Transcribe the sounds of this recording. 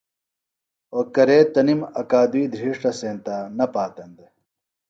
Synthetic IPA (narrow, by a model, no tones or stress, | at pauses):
oːkɐɾeːt̪ɐnimɐkaːd̪uiːd̪ʱɾiːʂʈɐseːnt̪aːnɐpaːt̪ɐnd̪e